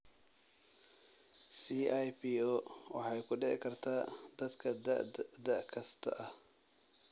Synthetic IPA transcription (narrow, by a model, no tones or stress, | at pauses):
siːajpiːoːwɑ̰ħɑjkʰʊɖɪʕɪ̰kʰɐrt̪ʰaːd̪̥ɐd̪kʰɐd̪ɐ̰ʔd̪ɐʔkʰɐst̪ʰɐ̰ʔɐh